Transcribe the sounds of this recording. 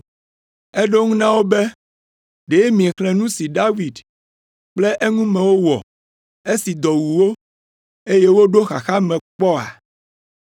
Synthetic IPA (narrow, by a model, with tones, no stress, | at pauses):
e˦ɖo˦ŋũ˦nã˦wo˦be˦ | ɖe˨e˦mĩ˨xlɛ̃˨nũ˦si˨ɖa˦vi˨d | k͡ple˦ʔe˦ŋũ˦mɛ̃˨wo˦wɔ̰˨ | e˦si˨d̪ɔ˨wu˨wo˦ | e˦je˦wo˦ɖo˦xa˨xa˦mɛ̃˨k͡pɔ˦a̰˨